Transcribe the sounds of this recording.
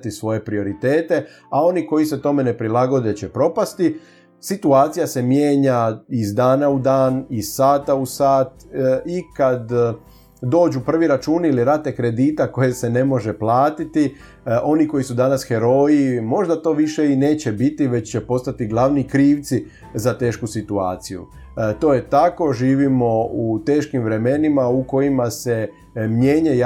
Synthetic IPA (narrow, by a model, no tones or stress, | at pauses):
t̪isʋo̞je̞pɾio̞ɾit̪eːt̪e̞ | ao̞niko̞jiset̪o̞me̞ne̞pɾilaɡo̞d̪e̞t͡ɕepɾo̞past̪i | sit̪uaːt̪sijase̞mjeːɲaizd̪aːnaud̪aːniz̥saːt̪ausaːt̪ikad̪ | d̪o̞ːd͡ʒupr̩ʋiɾat͡ʃuːniliɾat̪ːekɾe̞d̪iːt̪ako̞je̞se̞ne̞mo̞ʒe̞plaːt̪it̪i | ʔo̞niko̞jisud̪anasxe̞ɾo̞ːjimo̞ʒd̪at̪o̞ːʋiʃe̞ine̞ːt͡ɕe̞bit̪iʋe̞t͡ɕt͡ɕe̞po̞st̪at̪iɡlaʋnikɾiːʋt̪si | zat̪e̞ːʃkusit̪ua̰ːt̪sijṵ | t̪o̞ːje̞t̪ako̞ʒiːʋimo̞ut̪e̞ːʃkimʋɾe̞me̞nimauko̞jimase̞ | mje̞ːɲe